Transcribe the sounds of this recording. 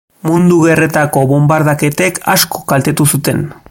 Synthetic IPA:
mund̪uɣe̞re̞t̪ako̞βo̞mbaɾðake̞t̪eka̰skʰo̞̥kalt̪e̞t̪usut̪e̞̰n

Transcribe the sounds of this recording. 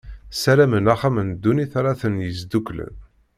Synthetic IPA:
sælæmənæχæmənd̪ːuniθɾˤɑθənjəzd̪ukːlə̰n

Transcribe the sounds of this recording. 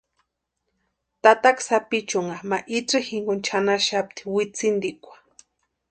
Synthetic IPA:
t̪at̪aksapit͡ʃʊŋamaʔiʈ͡ʂɨhiŋɡont͡ʃʰanaʃap̚t̪i̥wit͡sind̪ikʷḁ

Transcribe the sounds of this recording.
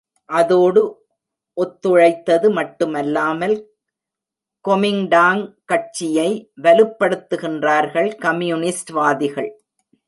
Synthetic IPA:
ʔɐðoːɽɯ | ʔɔt̪ːɯɻɐɪt̪ːɐðɯmɐʈːɯmɛlːaːmɐl | kɔmɪŋɖaːŋkɐʈ̚t͡ʃːɪjɐɪʋɐlɯpːɐɽɯt̪ːɯɣɪndraːɾɣɐɭkɐmjunɪsʈʋaːðɪɣɐɭ

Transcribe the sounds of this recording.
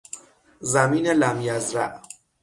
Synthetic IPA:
zæmiːnelæmjæzɾæʔ

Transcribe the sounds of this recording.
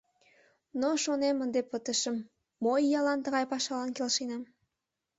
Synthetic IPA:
noʃonemənd̪epət̪əʃəmː | ojːɑlɑnt̪əɣɑjpɑʃɑlɑnkelʃinɑm

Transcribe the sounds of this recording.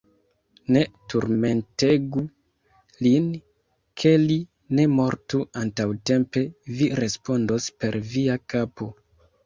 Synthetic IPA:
ne̞tuɾme̞nte̞ɡu | lin | kʰe̞li | ne̞mo̞ɾtuantawte̞mpe̞viɾe̞spo̞ndo̞spe̞ɾviakapo̞

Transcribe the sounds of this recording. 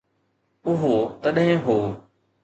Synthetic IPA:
ʊɦot̪əɗɦɪ̃ɦoː

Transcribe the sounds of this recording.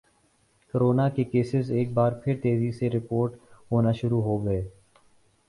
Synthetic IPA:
kəɾoːnakekeːsɪzeːk̚baːɾpʰɪɾt̪eːziseɾɪpoːɾʈɦoːnaʃʊɾuɦoːɡɐeː

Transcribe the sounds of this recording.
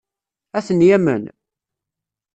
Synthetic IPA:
æθənjæmə̰n

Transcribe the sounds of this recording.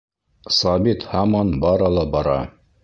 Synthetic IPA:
sɑbit̪hɑmɑnbɑɾɑlˠɑbɑɾɑ̰

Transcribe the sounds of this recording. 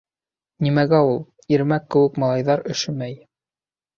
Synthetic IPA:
nʲimæɡæulˠ | iɾmækːɘ̆wɘ̆kmɑlˠɑjðɑɾɘ̆ʃɘ̆mæj

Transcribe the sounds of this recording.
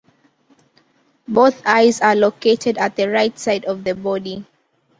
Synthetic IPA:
boθaɪzaloketʰɛdat̚ðəɹaɪtsaɪdɔvðəbɔdi

